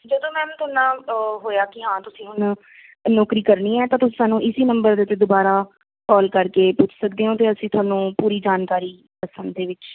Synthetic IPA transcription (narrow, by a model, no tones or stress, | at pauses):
d͡ʒəd̪õːmɛ̃ːmt̪ʊəːnːãːɦoːjaːkɪãːt̪ʊsĩːʊn | nɔːkɾiːkəɾniːɛːt̪ãːt̪ʊsĩːsaːnũːʔɪsiːnə̃mbəɾd̪et̪ːeːd̪obaːɾaː | kɔːlkəɾkeːpʊt͡ʃʰsək̚d̪eːɦõːt̪̬eːəsĩːt̪ʰʊaːnũːpuːɾiːd͡ʒaːnkaːɾiː | pəsə̃nd̪d̪eːʋɪt͡ʃ